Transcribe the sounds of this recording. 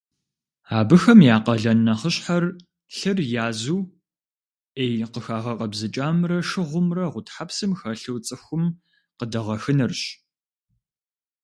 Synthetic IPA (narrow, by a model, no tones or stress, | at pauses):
aːbɨxɐmjaːqɐɮɐnːɐχəɕħar | ɬɨrjaːzuː | ejqəxaːʁɐqʼɐbzɨt͡ʃʼaːmrɐʂɨʁʷʊmrɐʁʷʊtħapsɨmxɐɬɨwt͡sʼɨxʷʊm | qədɐʁɐxɨnɨrɕ